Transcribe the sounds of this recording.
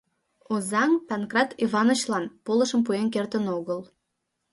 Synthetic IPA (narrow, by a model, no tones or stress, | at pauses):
ozɑŋpænkrɑt̪ʰivɑnot͡ɕlɑnpolə̆ʃəmpuenkert̪ənoɣəl